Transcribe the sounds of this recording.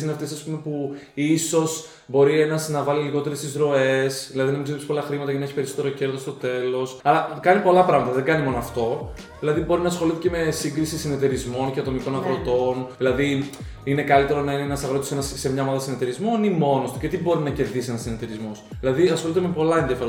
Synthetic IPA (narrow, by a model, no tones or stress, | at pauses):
sineɐft̪e̞sɐspume̞puiso̞s | bo̞ɾie̞nɐznɐvɐliliɣo̞t̪e̞ɾest̪izɾo̞e̞sðilɐðiðenɐmizipspolɐxɾimɐt̪ɐʝɐnɐeçipe̞ɾiso̞t̪e̞ɾo̞ce̞ɾðo̞st̪o̞t̪e̞lo̞sɐlɐkɐnipo̞lɐpɾɐɣmɐt̪ɐðeŋɡɐnimo̞noɐft̪o̞ | ðilɐðibo̞ɾinɐːsxo̞lit̪eceme̞siŋɡɾisisine̞t̪e̞ɾizmo̞nceɐt̪o̞miko̞nɐɣɾo̞t̪o̞nðilɐði | ine̞kɐlit̪e̞ɾonɐineenɐsɐɣɾot̪osenɐssemɲɐomɐðɐsine̞t̪eɾizmo̞nimo̞nost̪u̥cet̪ibo̞ɾinɐce̞ɾðisienɐsinet̪e̞ɾizmos | ðilɐðiɐsxo̞lit̪emepo̞lɐendðjɐfeɾ